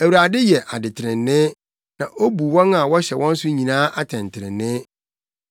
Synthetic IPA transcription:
æ˨wu˨ɾa˨dɪ˦jɛ˨ʔa˨dɪ˨tʰɪ˨ɾɪ̃˨nːɪ̃˦ | nã˨ʔo˦bu˨wɔ̃˦na˨wɔ˦ɕɛ˨wɔ̃˦n̩˦sʊ˦ɲĩ˨nãː˦ʔa˦tʰɛ̃˨ntʰɪ˨ɾɪ̰̃˨nːɪ̃˦

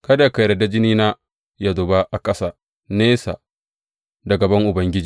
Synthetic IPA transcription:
kɐ˦da˨ja˦ka˨ɾɐ˨da˦d͡ʒɪ˦niː˦na˦ | ja˨dʊ˨ba˦ʔa˨kʼɐ˦sa˨ | neː˦sa̰˨ | dɐ˨ɡɐ˨bɐ˦ŋʔʊ˨bɐ˦ŋɡʲɪ˦d͡ʒiː˨

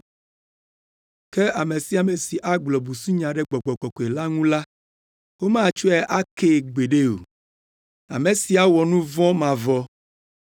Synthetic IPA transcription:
ke˦ʔa˨me˨si˦a˨me˨si˨ʔa˦ɡ͡blɔ˨bu˨su˦ɲã˨ɖe˦ɡ͡bɔ˨ɡ͡bɔ˨k͡pɔ˨kɔ˨e˨la˦ŋũ˦la˦ | wo˦mã˦˨t͡ʃo˦ɛ˦ʔa˦ke˦ɡ͡be˨ɖe˦o̰˨ | a̰˨me˨si˦a˨wɔ˨nũ˦vɔ̃˦mã˨vɔ˦

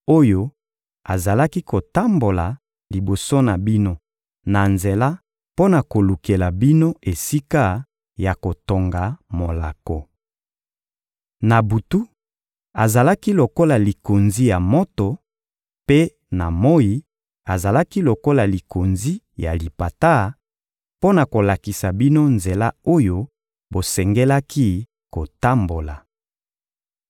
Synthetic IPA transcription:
o˦jo˦ | a˨za˨la˦ki˦ko˨ta˦mbo˨la˨ | li˨bo˨so˦na˨bi˦no˦ | na˨nze˨la˦ | po˦na˨ko˨lu˨ke˨la˨bi˦no˦e˨si˦ka˦ | ja˨ko˨to˨ŋɡa˨mo˨la̰˨ko˨ | na˨bu˨tu˦ | a˨za˨la˦ki˦lo˨ko˦la˨li˨ko˨nzi˦ja˨mo˦to˨ | pe˦ | na˨mo˦ji˨˦ | a˨za˨la˦ki˦lo˨ko˦la˨li˨ko˨nzi˦ | ja˨li˨pa˨ta˦ | po˦na˨ko˨la˨ki˨sa˨bi˦no˦nze˨la˦o˦jo˦ | bo˨sɛ˨ŋɡɛ˦la˦ki˦ | ko˨ta˦mbo˨la̰˨

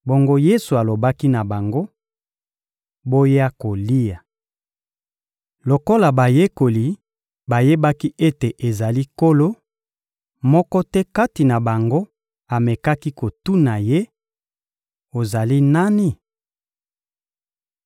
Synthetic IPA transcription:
bo˨ŋɡo˦je˦su˨a˨lo˨ba˦ki˦na˨ba˨ŋɡo˦ | bo˦je˦a˦ko˨li˦a˨ | lo˨ko˦la˨ba˨je˦ko˨li˨ | ba˨je˦ba˦ki˦ʔe˦te˨ʔe˨za˨li˦ko˦lo˦ | mɔ˦kɔ˦tɛ˦ka˦ti˨na˨ba˨ŋɡo˦ | a˨mɛ˨ka˦ki˦ko˨tu˦na˨je˦ | o˨za˨li˦na˦ni˦

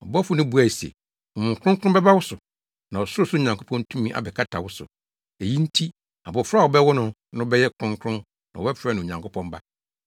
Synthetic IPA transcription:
ɔ˨bɔ˦fʊ˨nʊ̃˦bu˦a˨sɛ̰˨ | ɔ˨mʊ̃˨ŋ˨kʰʊ̃˦kʊ˦ʊ̃˦bɛ˦ba˦wʊ˦sʊ˨ | nã˨ɔ˨sʊ˦ʊ˦sʊ˦˨ɲã˨ŋkʰʊ˦pʰɔ̃˦n˦tʰũ˦mĩ˦ʔa̰˨bɛ˨kʰa˦tʰa˨wʊ˦sʊ̰˨ | e˨ji˦n̩˦tʰi˦ | a̰˨bɔ˨fa˦˨wɔ˨bɛ˦wʊ˦nʊ̃˦ | nʊ̃˦bɛ˦jɛ˦kʰɾʊ̃˦ŋkʰɾʊ̃˦ | nã̰˨wɔ˨bɛ˦fɾɛ˦nʊ̃˨ɲã˨ŋkʰʊ˦pʰɔ̃˦m˦ba˦

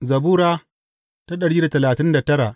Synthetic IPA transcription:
zɐ˨buː˦ɾaː˦ | ta˦ɗɐ˨ɽiː˦da˨tɐ˨laː˨tɪ˦nda˨tɐ˦ɾa˨ʔ

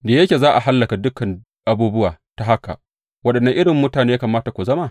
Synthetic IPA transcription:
da˨je˦kʲeː˨zaː˦ʔa˨ɦa˦lːɐ˨ka˨dʊ˦kɐ˨n | ʔa˨buː˦bʊ˦waː˨ | ta˨ɦa˦ka̰˨ | wɐ˦ɗɐ˨nːɐ˦ŋʔɪ˦ɽɪ˨mːʊ˦taː˨neː˦ja˦kaː˨maː˦ta˨kʷu˨zɐ˦ma˦

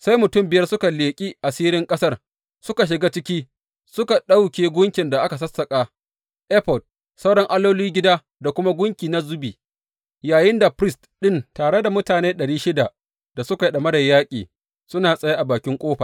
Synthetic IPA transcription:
sa˦jmʊ˨tʊ˦mbɪ˨jɐ˦rsʊ˦ka˨leː˨kʲʼiː˦ʔa˨siː˦ɾɪ˦ŋkʼɐ˦sɐ˦r | sʊ˦ka˨ʃ̬ɪ˨ɡaː˦t͡ʃɪ˦kʲiː˦ | sʊ˦ka˨ɗa˦wkʲeː˨ɡʷʊ˦ŋkʲɪ˨nda˨ʔa˦ka˨sɐ˦sːɐ˨kʼaː˨ | ʔɛ˦ɸɔ˨d̚ | sa˦wɽɐ˦ŋʔa˦loː˦liː˦ɡʲɪ˦daː˦ | da˨kʷʊ˦ma˦ɡʷʊ˦ŋkʲiː˨na˦zʊ˦biː˨ | jaː˨jɪ˦nda˨pɾɪ˦stɗɪ˦ntaː˨ɽe˦da˨mʊ˦taː˨neː˦ɗɐ˨ɽiː˦ʃɪ˦da˨ | d̥a˨sʊ˦ka˨ɗɐ˨mɐ˦da˨jaː˦kʲʼiː˨ | sʊ˦naː˨sʼɐ˦ja˦ʔa˨baː˨kʲɪ˦ŋkʷʼoː˦ɸa˨

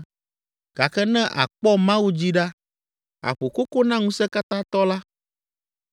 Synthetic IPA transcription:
ɡ̥a˨kɛ˦nɛ̃˦ʔa̰˨k͡pɔ˦mã˦wu˦d͡ʑi˦ɖa˦ | a̰˨ɸo˨ko˦ko˦nã˦ŋũ˦sɛ˦ka˦t̪ã˦t̪ɔ˦la˦

